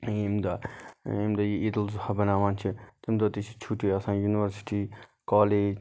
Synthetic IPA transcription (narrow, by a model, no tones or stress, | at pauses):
imd̪aimd̪ɐjiid̪əlzhɐbɐnaːʋãːnt͡ʃʰit̪imd̪ɐt̪it͡ʃʰit͡ʃʰuʈiːɐsãːjuːniʋɐɾsi̥ʈiː | kaːleːd͡ʒ